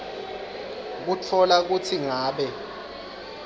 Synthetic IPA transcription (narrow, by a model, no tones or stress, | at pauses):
k̬ut͡fʰɔlak̬utʰiŋaːɓɛ